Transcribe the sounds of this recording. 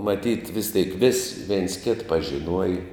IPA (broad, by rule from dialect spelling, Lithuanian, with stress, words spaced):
mɐˈtʲiːt ʋʲɪs tʲeːɪk ʋʲɪs ʋʲɛɪns kʲeːt pɐʒʲɪˈnuɔjɛ